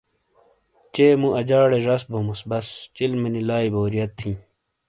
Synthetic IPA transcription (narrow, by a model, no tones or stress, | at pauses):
t͡ɕeːmũʔɐd͡ʑaːɽeʐɐsbʱomusbɐst͡ɕilmɐnilaːiboːɾijɐt̪ʰːĩː